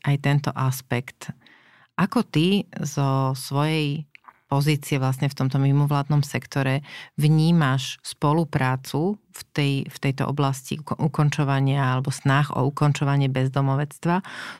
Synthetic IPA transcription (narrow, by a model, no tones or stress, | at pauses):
ʔajt̪ɛnt̪ɔʔaspɛkt̪ | ʔakɔt̪izɔsʋɔjɛjpɔziːt͡siɛʋlas̬ɲɛft̪ɔmt̪ɔmimɔʋlaːd̪nɔmsɛkt̪ɔɾɛvɲiːmaʃspɔlupɾaːt͡su | ft̪ɛjft̪ɛjt̪ɔ̰ʔɔ̰blascḭʔukɔnt͡ʃɔʋaɲɪaalɛbɔsnaxɔ̰ukɔnt͡ʃɔʋaɲɪɛbɛzd̪ɔmɔʋɛt͡st̪ʋa